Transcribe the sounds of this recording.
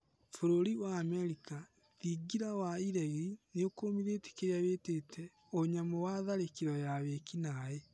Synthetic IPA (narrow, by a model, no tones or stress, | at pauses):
foɾoɾiwaːmɛɾika | ðiɡiɾawaiɾaiɾineokoːmiɾeːte̥keɾeaβetetʰɛ | oɲamɔwaðaɾekiɾɔjaβekinae